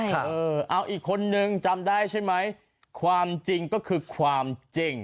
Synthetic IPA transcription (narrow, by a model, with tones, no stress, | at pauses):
ɤː˧ʔa˧wʔiː˨˩kʰːo˧nːɯ˧ŋt͡ɕa˧mdaː˥˩jt͡ɕʰa˥˩jma˦˥j | kʰwaː˧mt͡ɕi˧ŋkɔː˥˩kʰɯː˧kʰwaː˧mt͡ɕi˧˩ŋ